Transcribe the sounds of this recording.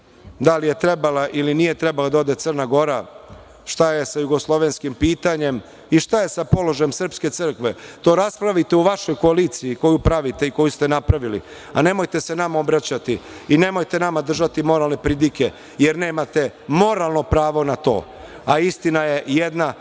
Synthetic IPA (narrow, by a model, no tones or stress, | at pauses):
d̪alije̞t̪ɾebalaʔilinije̞t̪ɾe̞balad̪aod̪e̞t̪sər̩naɡo̞ɾa | ʃt̪aje̞sajuɡo̞slˠo̞ʋenskimpiːt̪aɲe̞m | iʃt̪aje̞sapo̞lo̞ʒajemsr̩pske̞t̪sɨr̩kʋe̞t̪o̞ːɾaspɾaʋit̪e̞uʋaʃo̞jko̞aliːt̪siiko̞jupɾaʋit̪e̞iko̞just̪enapɾaʋilḭ | a̰ne̞mo̞jt̪e̞se̞namao̞bɾat͡ɕat̪iine̞mo̞jt̪e̞namad̪r̩ʒat̪imo̞ɾalˠne̞pɾid̪ike | jeɾne̞ːmat̪e̞mo̞ɾalˠno̞pɾaːʋo̞nat̪o̞̰ː | aist̪inajejed̪na